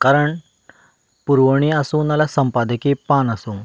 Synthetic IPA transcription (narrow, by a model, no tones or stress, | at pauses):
kaɾəɳ | puɾʋəɳ̃iasunɐlasɐmpad̪ɐkipaːnɐsum